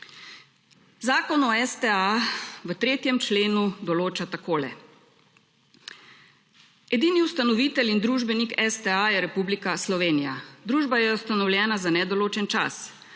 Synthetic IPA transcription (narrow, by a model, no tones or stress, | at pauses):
zaːkɔnɔɛst̪ɛaʋət̪ɾeːt̪jɛmt͡ʃleːnud̪ɔloːt͡ʃat̪akoːlɛ̰ | ɛd̪iːniust̪anɔʋiːt̪ɛlind̪ɾuːʒbɛnikɛst̪ɛajɛɾɛpublikaslɔʋeːnija̰d̪ɾuːʒbajɛust̪anɔwljɛːnazanɛd̪ɔloːt͡ʃɛnt͡ʃa̰s